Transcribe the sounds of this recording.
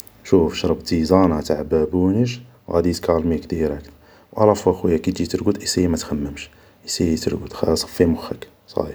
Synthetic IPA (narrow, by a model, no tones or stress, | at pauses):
ʃufʃɾˤɑbt̪izɑnɑt̪aʕbæbunəʃ | wʔæ̰d̪it̪kɑlmikd̪iɾæk̪ | wʔɑ̰lˤɑfwæxwəjːækit̪d͡ʒit̪əɾɡud̪ʔisiimæt̪xæmːəmʃ | ʔisijit̪əɾɡṵd̪xæsˤɑ̥fːimʊxːək | sˤɑ̰i